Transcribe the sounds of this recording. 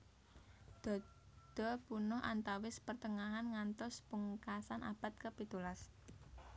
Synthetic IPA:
d̪̥ɔ̤ | d̪̥ɔ̤punʊhʔant̪awɪspərt̪əŋaɦanŋant̪ɔspuŋkasanʔa̰b̥a̤t̪̚kəpit̪ulas

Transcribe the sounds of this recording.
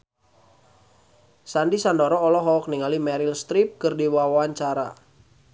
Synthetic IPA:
sandisandɔɾɔːlɔɦɔk̚niŋalimɛɾilst̪ɾip̚kɨrdiwawawaɲt͡ʃaɾa̰

